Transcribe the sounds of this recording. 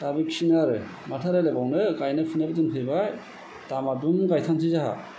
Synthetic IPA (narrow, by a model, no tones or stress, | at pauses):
tabiksinaɾɯ | matʰaɾelebawnɯɡajnɯpʰɯnabɯtɯnpʰɯjbaj | tamadumɡajtʰaŋtʰɯzaɦa̰